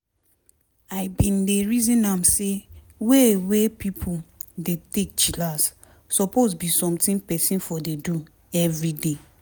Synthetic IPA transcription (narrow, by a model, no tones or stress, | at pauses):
aɪbĩndeɹizĩnamse | wewepipʰudetek̚t͡ʃilas | sɔpozbisɔ̃mtĩnpɛsĩnfɔdedu | ɛvɹide